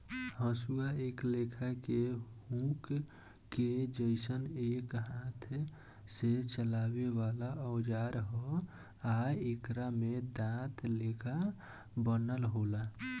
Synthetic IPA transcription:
hə̃suaeːklekʰakeɦũkː | ed͡ʒəɪsəneːkɦãːt̪ʰ | set͡ʃəlaːwewalaəʊd͡ʒaːɾɦo | ajekɾamed̪ãt̪ʰleːkʰa | bənəlɦola

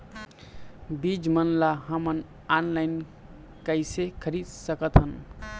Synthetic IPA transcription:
bid͡ʒmənlaɦəmən | anlajn | kəɪsekʰəɾid̪səkət̪ɦən

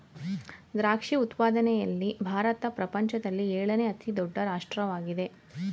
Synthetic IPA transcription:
d̪ɾaːkʂiut̪paːd̪ɐnɛjɐlːibʱaːɾɐt̪ɐpɾɐpɐɲt͡ʃɐd̪ɐlːieːɭɐneɐt̪id̪ɔɖːɐɾaːʂʈɾɐʋaːɡid̪e̞

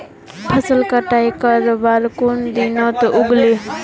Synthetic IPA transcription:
pʰəsəlkəʈajkəɾbaɾkond̪inɔt̪ʔuɡle

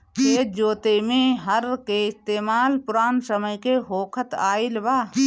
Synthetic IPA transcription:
eːd͡ʒoːt̪emẽɦəɾkeɪst̪eːmaːlpʊɾaːnsəməjkeɦoːkʰət̪aːilbaː

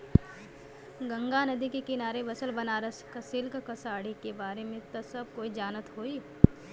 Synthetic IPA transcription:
ɡɐ̃ŋɡanɐd̪ikekɪnaːɾeʋɐsəlbɐnaːɾəskɐsɪlkkɐsaːɽikebaːɾemẽt̪ɐsɐb̚koːid͡ʒaːnət̪ɦoːiː

